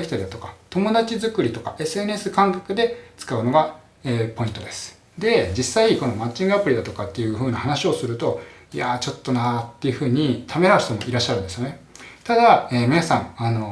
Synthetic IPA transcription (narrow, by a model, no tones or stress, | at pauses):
ekʲi̥t̪aid̪at̪o̞kḁt̪o̞mo̞d̪at͡ɕizɨkɯ̟ɾʲit̪o̞ka̰ʔe̞sɨe̞nesɨkãŋkakɯ̟d̪e̞t͡sɨ̥kaɯ̟no̞ɡa | eːpo̞ĩnt̪o̞d̪e̞sɨ̥ | d̪e̞d͡ʑisaiko̞no̞mat͡ɕːĩŋɡɯ̟apɯ̟ɾʲid̪at̪o̞kat̪ːe̞jɯ̟ɸɯ̟ːnahanaɕio̞sɨɾɯ̟t̪o̞iat͡ɕo̞t̪ːo̞nat̪ːe̞iɯ̟ɸɯ̟ːɲ̟it̪ʰame̞ɾaɯ̟ɕt̪o̞mo̞iɾaɕːaɾɯ̃nd̪e̞sɨjo̞net̪ad̪aeːmʲinasãŋ̃ano̞